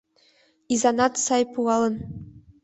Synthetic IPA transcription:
izɑnɑt̪sɑjpuʁɑlˠɤ̆n

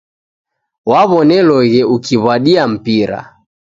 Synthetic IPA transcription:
waβɔnɛlɔɣɛukiβwaɗiam̩piɾa̰

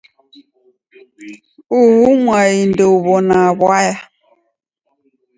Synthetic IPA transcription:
uɦuŋʷaindouβɔnaaβaja

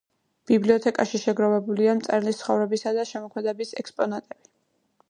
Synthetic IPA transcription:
b̥ibliɔt̪ʰɛkʼaʃiʃɛɡɾɔvɛbuliamt̪sʼɛɾlist̪ʰχɔvɾɛbisad̪aʃɛmɔkʰmɛd̪ɛbisɛ̰kspʼɔnat̪ʼɛb̥i

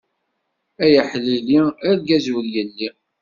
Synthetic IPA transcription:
æjəħlːiliælɡæzwəljəlːi

